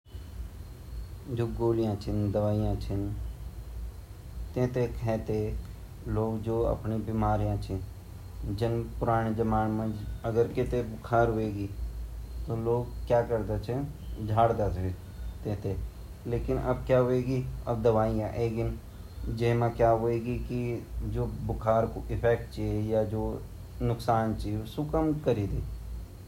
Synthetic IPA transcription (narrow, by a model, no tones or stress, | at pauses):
d͡ʒoːɡoːlɪjãːt͡ʃʰɪnd̪əʋaːɪjãːt͡ʃʰɪn | t̪ẽːt̪eːkʰɛ̃ːt̪eː | loːkd͡ʒoːə̰pɳiːbɪmaːɾijãːt͡ʃʰɪ̃ | d͡ʒənpʊɾaːɽ̃eːd͡ʒəmaːnmə̃d͡ʒəɡəɾkɪt̪eːbʊkʰaːɾɦʊʋeːɡiːt̪oːloːkkjaːkəɾd̪eːt͡ʃʰẽd͡ʒʱaːɽd̪aːt̪ | t̪eːt̪ʰeː | leːkɪnə̰bkjaːɦoːeːɡiə̰b̚d̪əʋaːijãʔeːɡɪn | d͡ʒemãːkjaːɦoːeːɡikid͡ʒoːbʊkʰaːɾkoʔɪpʰɛːk̚ʈt͡ʃejaːd͡ʒoː | nʊksaːnt͡ʃiosʊkəmkəɾiːd̪eː